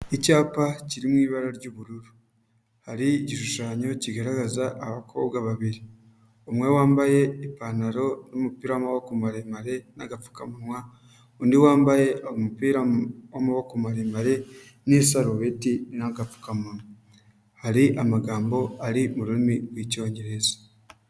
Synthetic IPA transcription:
ecaːpaciɾimwiːβaɾaɾɟoβuɾuɾu | haɾiːɟiʃuʃaːɲo̞ciɡaɾaɡazaʔːβakʰo̞̰bɡaβaβiɾi | omwe̞waːmbaje̞ipanaɾo̞nomupiːɾamawakumaɾemaɾe̞naɡafu̥kamumwa | undiwaːmbaje̞ohomupiːɾawamawakumaɾemaɾe̞ | nesaɾoβetinaɡafu̥kamuma | haɾiʔamaɡaːmbo̞aɾimuɾuimiβwico̞ːɲɟe̞ɾe̞zḁ

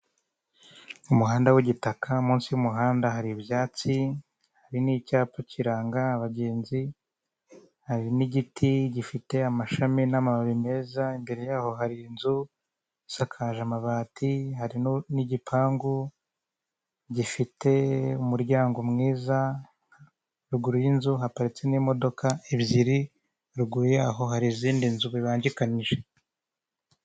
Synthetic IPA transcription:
umuɦaːndawiɟitakamuːnsijumuɦaːndaɦaɾibjaːt͡si | haɾinicaːpociɾaːŋɡaːβaɟe̞ːnzi | haɾiniɟitʰiɟifite̞amaʃaminamaβaβime̞ːzaimbe̞ɾe̞jaːho̞haɾiːnzu | isakʰaːʒamaβaːtʰiɦaɾinniɟipʰaːŋɡu | ɟifitʰe̞umuɾɟaːŋɡo̞mŋiːza | ɾuɡuɾujinzuɦapaɾit͡se̞nimo̞do̞kaibjiɾi | ɾuɡuɾjaːɦo̞ɦaɾiziːndinzuβiβaːɲɟikaniʒe

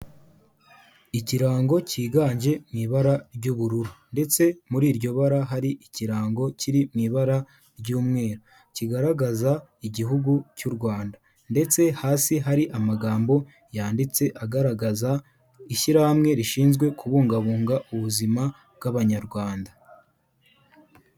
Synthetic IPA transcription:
iciɾaːŋɡo̞ciːɡaːɲʒe̞mŋiːβaɾaɾɟuβuɾuɾunde̞t͡se̞muɾiːɾɟo̞βaɾaɦaɾiʔiciɾaːŋɡo̞cʰiɾimŋiːβaɾa | ɾɟuːmŋe̞ːɾo | ciɡaɾaɡazaiɟiɦuɡucuɾɡwaːnda | nde̞t͡se̞haːsiɦaɾiʔamaɡaːmbo̞ | jaːndit͡se̞ʔaɡaɾaɡaza | iʃiɾahamŋe̞ɾiʃiːnzɡwe̞kʰuβuːŋɡaβuːŋɡaʔuβuzima | bɡaβaɲaɾɡwaːnda

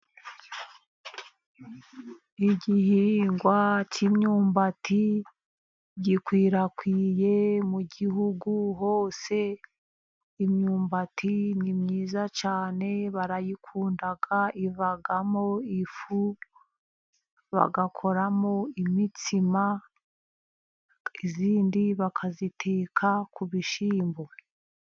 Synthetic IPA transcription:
iɟihiːŋɡwat͡ʃimɲuːmbati | ɟikwiːɾakwiːje̞muɟiɦuɡuɦo̞ːse̞ | mɲuːmbatʰinimɲiːzat͡ʃaːne̞βaɾajikʰuːndaɡaʔivaɡamo̞ifu | βa̰ɡakʰo̞ɾamo̞imitima | iziːndiβakʰazitʰeːkʰakʰuβiʃiːmbo̞

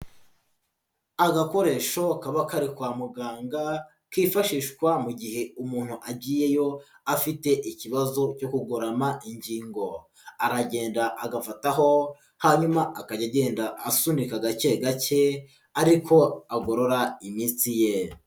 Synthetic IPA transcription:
aɡako̞ɾe̞ːʃo̞kaβakaɾikwaːmuɡaːŋɡa | kiːfaʃiːʃkwamuɟihe̞umuːn̥huʔabɟiːje̞jo̞ | afite̞ʔiciβazo̞co̞kuɡoɾamaʔiɲɟiːŋɡo̞ | aɾaɟe̞ːndaʔaɡafataɦo̞ | haɲumaʔakaɟaɟe̞ːndaʔːsunikaɡat͡ʃe̞ɡace̞ | aɾikʰo̞aɡo̞ɾo̞ɾaimiːnsije

